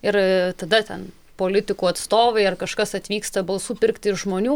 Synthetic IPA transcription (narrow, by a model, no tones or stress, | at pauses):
ɪɾt̪ɐd̪ɐt̪ʲɛn | poːlʲɪt̪ʲɪkuːɐt̪st̪oːʋɐɪɐrkɐʃkɐsɐt̪ʲʋʲiːkst̪ɐbɐlˠsuːpʲɪɾkt̪ʲɪʃʒmoːnʲuː